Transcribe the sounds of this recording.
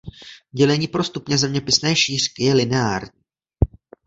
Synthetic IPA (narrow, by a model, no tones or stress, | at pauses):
ɟɛlɛɲiːpɾo̞st̪upɲɛzɛmɲɛpɪsnɛːʃiːr̝̥kɪjɛlɪnɛaːɾɲiː